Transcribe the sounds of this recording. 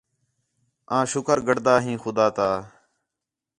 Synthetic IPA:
ãːʃʊkəɾɡəɽd̪aːɦĩːxʊd̪aːt̪aː

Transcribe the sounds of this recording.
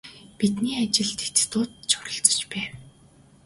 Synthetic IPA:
pit̪niːat͡ɕɪ̆ɮt̪ʰe̥t̪t̪ʊːt̪t͡ɕʰʊ̥ɾə̆ɬt͡sɞ̥̆t͡ɕpæːw

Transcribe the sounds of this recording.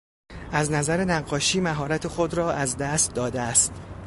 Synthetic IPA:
ʔæznæzæɾe̞næɡːɒːʃiːmæɦɒːɾæt̪ʰe̞xo̞d̪ɾɒːʔæzd̪æst̪̚d̪ɒːd̪eæst̪

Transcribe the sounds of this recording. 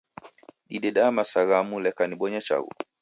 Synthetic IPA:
ɗiɗɛɗamasaɣamulɛkaniɓɔɲat͡ʃa̰ɣṵ

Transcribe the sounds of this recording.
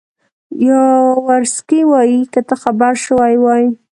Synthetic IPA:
jɑwaɾskiwɑjikət̪axabaɾʃəwajwɑji

